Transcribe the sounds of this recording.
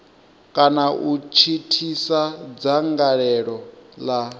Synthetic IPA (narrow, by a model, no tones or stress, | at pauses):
kʼanaʔut͡ʃʰitʰisad͡zaŋɡaɺɛɺɔla